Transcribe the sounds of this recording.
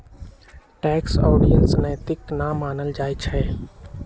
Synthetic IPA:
ʈɛːksɔːɖijənsnəjt̪ɪknamaːnəld͡ʒaːit͡ʃʰɛː

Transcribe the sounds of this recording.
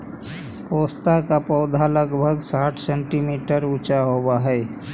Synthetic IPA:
poːst̪akapɔːd̪ʱaləɡbʱəɡsaːʈʰsẽɳʈimiːʈəɾʊt͡ʃaɦoːwaɦɛː

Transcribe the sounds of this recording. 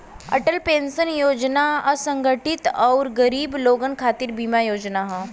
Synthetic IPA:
ɐ̰ʈəlpẽːnsənjoːd͡ʒnaɐsə̃ŋɡəʈɪt̪ɔːɾɡəɾiːbloːɡənkʰaːt̪iɾbimajoːd͡ʒnaɦã

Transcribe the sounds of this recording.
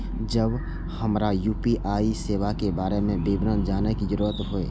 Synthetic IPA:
d͡ʒəb | həmɾajuːpiʔaːiseːʋakebaːɾemẽbiːbɾə̃nd͡ʒaːnekizəɾuːɾət̪ɦʊeː

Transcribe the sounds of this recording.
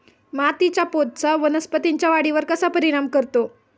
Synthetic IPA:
mat̪it͡ɕjapod̪̚t͡saʋənəspət̪iɲt͡ɕjaʋaɽiʋəɾkəsapəɾiɽ̃amkəɾt̪o

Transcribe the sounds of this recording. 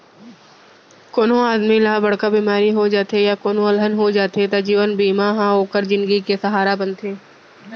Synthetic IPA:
koːnõaːd̪milaːbəɽ̤kabiːmaːɾiɦod͡ʒaːt̪ejakoːnõlɦənɦod͡ʒaːt̪et̪ad͡ʒiːʋənbiːmaɦãɦoːkəɾd͡ʒɪ̃nd̪ɡikesɐɦaːɾabə̃nt̪ʰeː

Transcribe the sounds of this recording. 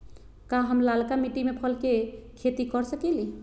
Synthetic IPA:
kaɦəmlalkamiʈimepʰəlkekʰet̪ikɔɾsəkɛli

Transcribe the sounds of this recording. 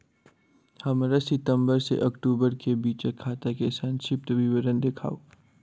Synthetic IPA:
hɐmɾasɪt̪ə̃mbəɾsḛʔɐkʈuːbəɾkebiːt͡ʃekʰːaːt̪akesãnʃɪpt̪ʋiʋəɾənd̪ekʰa̰ːoː

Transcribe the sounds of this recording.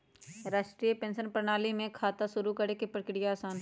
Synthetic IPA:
ɾaːʃʈɾiəpẽːnʃənpɾəñaːlimẽkʰaːt̪aʃʊɾukəɽekepɾəkɪɽijaaːsaːn

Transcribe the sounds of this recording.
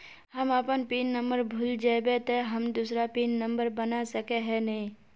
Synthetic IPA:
ɦəməpənpiːnːə̃mbəɾbʱʊld͡ʒaebet̪eɦəmd̪usɾapiːnːə̃mbəɾbənasəkeɦɛnɐĩ

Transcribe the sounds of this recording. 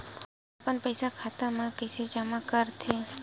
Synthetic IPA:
pənpəjsakʰat̪amãkəsed͡ʒəmãkəɾt̪ʰe

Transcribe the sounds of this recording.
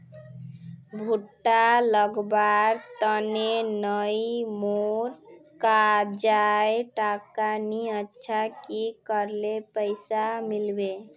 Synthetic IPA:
bʱuʈːaləɡbaɾt̪ənenəjimoɾkad͡ʒaeʈakaniətːʃʰakikəɾlepəɪsamilbe

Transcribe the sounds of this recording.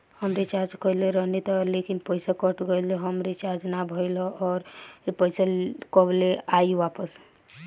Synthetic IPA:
həmɾet͡ʃaɾd͡ʒkəleɾəɦnit̪ɔlekinpəjsakəʈɡəjlɔɦəmɾet͡ʃaɾd͡ʒnabʱəjlɔɔːɾpəjsakəbleajʋapəs

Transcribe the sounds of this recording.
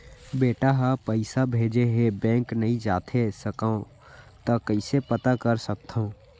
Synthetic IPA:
beːʈaɦapəɪsabʱeːd͡ʒeɦebɛ̃ːŋknəɦĩd͡ʒaːt̪ʰesəkaõ | t̪əkəɪsepət̪akəɾsək̚t̪ʰɦõː

